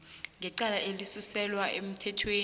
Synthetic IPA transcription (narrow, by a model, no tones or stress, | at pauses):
ŋɡʱɛǃalaʔelisusɛlwaʔem̩tʰɛtʰweː